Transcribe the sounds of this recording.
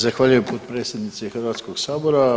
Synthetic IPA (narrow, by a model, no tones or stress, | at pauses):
zaxʋaːʎujempʰoːt̪pɾet̪sʲjed̪nit̪sexrʋaːt̪skoɡsaːbo̞ɾa